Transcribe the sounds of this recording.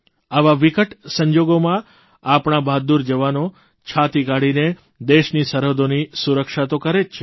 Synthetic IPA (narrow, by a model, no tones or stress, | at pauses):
aʋaʋikəʈsəɲd͡ʒoɡomã | apɳ̃abad̪uɾd͡ʒəʋano | t͡ʃʰat̪ikaɽine | d̪eʃnisəɾod̪onisuɾəkʃat̪okəɾet͡ʃʰe